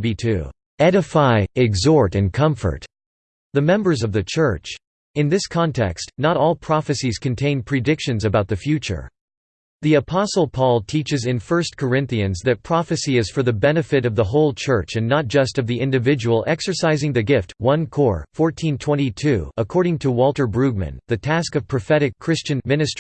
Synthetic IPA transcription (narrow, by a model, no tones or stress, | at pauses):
bitʰʉ̰ | ɛɾɨfaɪɪɡzɔɹɾɨ̃nkʰʌ̃ɱfə̰˞t | ðɨmɛ̃mbə˞zʌvðɨt͡ʃʰɜ˞t͡ʃ | ɨ̃nðɪskʰɑ̃ntʰɛ̰kstnəɾɔlˠpʰɹ̥ɑfɨsiz̥kɨ̃n̩tʰẽɪ̃npʰɹ̥ɨdɪkʃɨ̃nzɨbaʊt̪̚ðɨfjʉt͡ʃə̰˞ | ðiɨpʰɑsl̩ˠpʰɔlˠtʰit͡ʃɨzɨ̃nfɜ˞skʰə˞ɪ̃nθiɨ̃nzðɨt̚pʰɹ̥ɑfɨsiɨz̥fə˞ðɨbɛnɨfɨɾʌvðəɦoʊlˠt͡ʃʰɜ˞t͡ʃɨ̃nːət̚d̥ʒ̥ʌstʌvðiʔɪ̃ndɨvɪd͡ʒəwl̩ˠɛksə˞saɪzɪ̃ŋðɨɡɪft̚wʌ̃nkʰɔɹfɔɹtʰĩntʰw̥ɛ̃ɾ̃itʰʉ̰əkʰɔɹɾɪ̃ŋtʰəwɔlˠtə˞bɹʉɡ̚mɨ̰̃nðɨtʰæskʌv̥pʰɹ̥ɨfɛɾɨkʰːɹ̥ɪst͡ʃɨ̃nmɪ̃nɨst